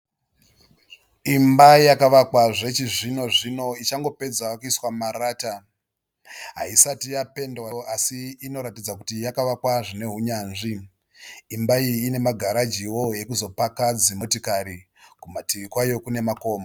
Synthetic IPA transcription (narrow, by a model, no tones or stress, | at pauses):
imbajakaʋakwaʐe̞t͡ʃiʐino̞ʐino̞it͡ʃaŋɡo̞pe̞d͡zawakuiswamaɾaːta | ɦa̰isatijape̞ndwaasiːno̞ɾatid͡zakutijakaʋakwaʐine̞ɦuɲaːnʐiː | mbaiːne̞maɡʱaɾad͡ʒiwo̞ɦe̞kuzo̞pakad͡zimotikaɾi | kumatiʋikwajo̞kune̞mako̞ːma